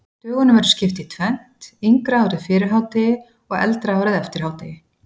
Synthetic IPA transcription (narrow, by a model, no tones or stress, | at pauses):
t̪œːɣʏnʏmɛɾ̥scɪft̪ɪit̪ʰvɛn̥t̪iŋkɾaawɾɪðfɪːɾɪɾɦaːwt̪ɪ | ɔɣɛ̰lt̪ɾaawɾɪðɛft̪ɪɾ̥aːwt̪ɪɪ